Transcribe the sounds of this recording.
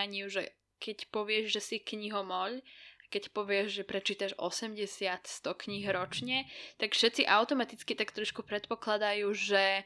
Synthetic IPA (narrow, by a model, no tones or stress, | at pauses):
aɲɪuʒɛ | kɛcpɔʋɪɛʒʒɛsikɲiɦɔmɔʎakɛcpɔʋɪɛʒʒɛpɾɛt͡ʃiːt̪aʒɔ̰sɛmɟɛsɪat̪st̪ɔkɲiɦɾɔt͡ʃɲɛt̪akfʃɛt̪t͡siʔaʊt̪ɔmat̪it͡skit̪akt̪ɾɔʃkupɾɛt̪pɔklad̪ajuːʒɛ